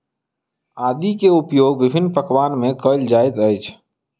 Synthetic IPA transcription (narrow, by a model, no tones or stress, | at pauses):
aːd̪ikeʊpjoːɡ̚bɪbʱɪnːpəkʋaːnmẽkəɪld͡ʒaːɪt̪əjt͡ʃʰ